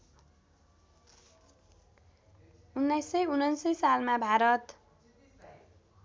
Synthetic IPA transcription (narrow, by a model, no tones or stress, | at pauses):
unːʌjsʌjunʌnsʌjsalmabʱaɾʌt̪